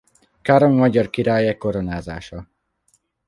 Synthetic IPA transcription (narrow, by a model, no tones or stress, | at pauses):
kaɾoŋmɒɟɒrkiɾaːjɛkːo̞ɾonaːzaːʃɒ